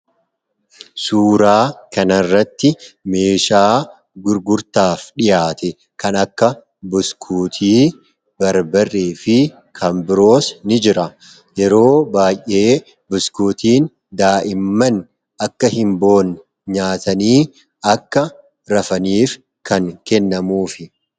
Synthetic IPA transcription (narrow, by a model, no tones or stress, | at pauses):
suːɾaːkɐnɐrːɐt̪ːɪme̞ːʃaː | ɡʊɾɡʊɾt̪aːfᶑɪjaːt̪ɛ | kɐnɐkːɐ | bʊskʰuːt̪ʰiː | bɐɾbɐrːeːfɪ | kʰɐmbɪɾo̞ːsnɪd͡ʒɪɾɐ | jɛɾo̞ːbaːjʔʔe̞ː | bʊskuːt̪iːn | d̪aːʔɪmːɐn | ɐkːɐhɪmbo̞ːn | ɲaːt̪ɐniː | ɐkːɐ | ɾɐfɐniːf | kʰɐŋkɛnːɐmuːfɪ